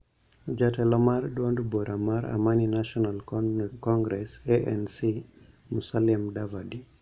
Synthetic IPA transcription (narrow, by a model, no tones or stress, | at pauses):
d͡ʒatɛlɔmardwonduboɾʔamaɾa̰maninaʃɔnalkkɔŋɡɾɛseʔɛnsi | musalimdavadi